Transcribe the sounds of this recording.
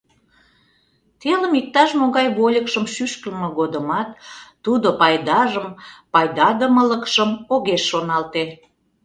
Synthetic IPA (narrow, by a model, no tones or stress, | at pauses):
t̪eləmik̚t̪ɑʃmoɣɑjβolʲəkʃəmʃyʃkəlməɣod̪əmɑt̪ː | ud̪opɑjd̪ɑʒəmpɑjd̪ɑd̪əmələkʃəmoɣeʃːonɑlt̪e